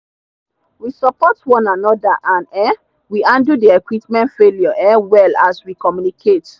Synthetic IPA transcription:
wisɔpɔtwɔ̃nanɔdaʔãnɛ | wiãndudiɛkwipmɛ̃ntfeljɔʔɛwɛlaswikɔmjunikʰet

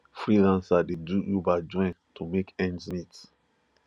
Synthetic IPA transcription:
fɹilãnsadedujubaɪd͡ʒɔ̃ɪ̃ntʰumekɛ̃nzmit

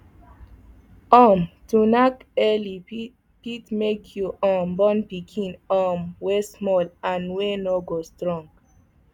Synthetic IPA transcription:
ɔmtunakɛli | pitmekʰjuʔɔ̃mbɔ̃npikʰĩnɔmwesmɔlãnwenoɡostɹɔ̃ŋɡ

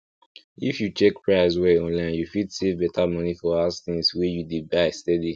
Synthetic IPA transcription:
ifjut͡ʃɛkpɹaɪswɛɔ̃nlãɪ̃njufidsevbɛtʰamʌnifɔasθĩŋswɛjudibaɪstɛdi

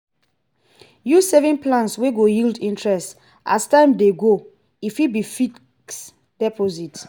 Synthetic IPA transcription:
jusɛvɛ̃nplãnsweɡojildĩntʰɹɛst | a̰stãɪ̃mdeɡo | ifibifi | ks | d̥ɛpozit

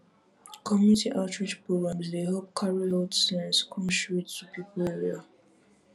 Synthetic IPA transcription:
kʰɔmjunitʰiʔatɹid͡ʒpɹoɡɹãmzdeɦɛlp̚kʰaɹiɛdsããnskʰɔ̃nsɹittupʰipəleɹia

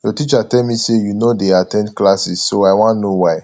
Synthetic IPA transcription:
jɔtit͡ʃatɛlmisejunodeatɛ̃ndklasissoaɪwãnnowaɪ

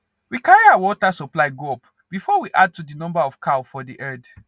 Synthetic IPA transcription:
wikaɹiawɔtasɔplaɪɡɔp | b̥ifɔwiʔad̚tudinɔ̃mbaɔfkʰaʊfɔdiʔɛd

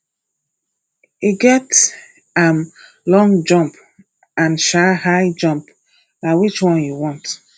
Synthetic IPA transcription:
iɡɛt | ãm | lɔ̃ŋd͡ʒɔ̃mp | ãnʃahaɪd͡ʒɔ̃mp | naɪwit͡ʃwɔ̃njuwɔ̃nt

